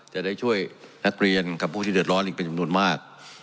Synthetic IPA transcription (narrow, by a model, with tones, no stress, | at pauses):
t͡ɕɛː˨˩daː˥˩jt͡ɕʰu˥˩əjna˦˥k̚ɾi˧ənka˨˩pʰːuː˥˩t̪ʰiː˩dɯ˨˩ət̪ɾɔ˦˥nʔiː˨˩kpe˧nt͡ɕa˧mnu˧ənmaː˥˩k̚